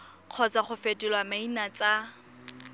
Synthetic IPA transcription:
q͡χʰɔt͡saχʊfetʼɪlwamainat͡sʼa

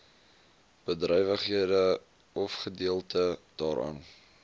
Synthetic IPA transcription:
b̥ədrɛjvəχɦiədə | ɔfχədiəlˠtəd̥ɑːɾɑ̰ːn

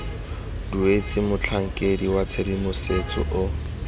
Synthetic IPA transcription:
duet͡sʼɪmʊt͡ɬʰaŋ̩kʼediwat͡sʰedimʊset͡sʼʊ̰ʔʊ

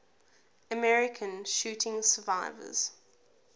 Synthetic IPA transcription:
əmɛɹɪkʰə̃nʃʉːˑtʰɪ̃ŋsəvaɪvə̰z̥

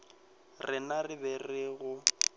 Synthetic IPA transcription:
rɪnarɪbɛrɪɣʊ

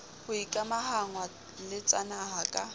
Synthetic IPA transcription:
hʊikʼamahaŋwa | lɪt͡sʼanaɦakʼa

